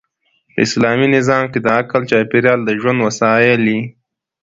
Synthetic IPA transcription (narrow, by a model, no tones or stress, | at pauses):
pə̰ɪ̰slɑminɪzɑmked̪əakalt͡ʃɑpɪɾjɑld̪əʒwand̪wasɑjɪli